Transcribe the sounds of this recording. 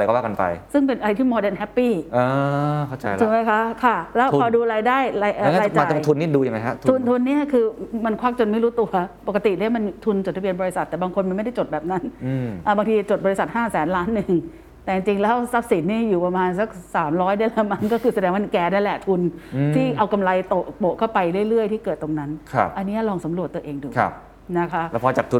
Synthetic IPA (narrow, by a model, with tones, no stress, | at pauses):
a˧jkɔː˥˩wa˥˩ka˧npa̰˧jsɯ˥˩ŋpe˧nʔa˧ɾa˧jt̪ʰiː˥˩mɔː˧deː˧nɦɛ˦˥pːiː˥˩ʔa˧kʰa˥˩wt͡ɕa̰˧jma˦˥jkʰa˦˥kʰa˥˩lɛː˦˥wʰɔ˧duː˧ɾaː˧jdaː˥˩jɾaː˧jʔaː˧˦˥jaa˧˩˧t̪ʰu˧nːiː˥˩duː˧ji˨˩ŋma˦kʰa̰˦˥t̪ʰu˧nt̪ʰu˧nːi˥˩ɐkʰɯː˧ma˧nkʰwaː˦˥k̚t͡ɕo˧nma˥˩jɾuː˦˥t̪u˧ɐpo˨˩ka˧t̪i˨˩daː˥˩˦ma˧nt̪ʰu˧nt͡ɕo˨˩t̪̚ʰːa˦˥bi˧ənbɔː˧ɾi˧˥sa˨˩t̪ːɛː˨˩baː˧ŋkʰo˧nma˧nm˥˩da˥˩jt͡ɕo˨˩t̪̚bɛː˨˩p̚na˦˥n˧ʔaː˨˩baː˧ŋt̪ʰiː˧t͡ɕt͡ɕo˨˩bɔː˧ɾi˧˥sa˨t̪̚haː˥˩sɛː˩˦nlaː˦˥nːɯ˨˩ŋ | t̪ɛː˨˩t͡ɕi˧ŋt͡ɕi˧ŋlɛː˦˥wsa˦˥p̚si˨˩˦nːiː˥˩juː˨˩pa˧maː˧nsa˦˩k̚saː˩˦mɾɔː˦˥jda˥˩˨lɛː˦˥ma˧˥ŋkɔː˥˩kʰɯː˧sa˧dɛː˧ŋwa˥˩˧kɛː˧daː˥˩jlɛ˨˩t̪ʰu˧nt̪ʰiː˥˩ʔa˧wka˧mla˧jt̪o˨˩ʔbo˨˩kʰa˥˩wpa˧jɾɯ˥˩əjɾɯ˥˩əjt̪ʰiː˥˩kɤː˨˩t̪ːo˧ŋna˦˥nkʰa̰˧˩ʔa˧nːi˦˥ɐlɔː˧ŋsa˩˦mɾət̪ːu˧ɐ˧ʔeː˧ŋduː˨a̰˧˩ | na˦˥kʰa˦˥ʔlːpʰɔː˧t͡ɕaː˨˩t̪ʰu˧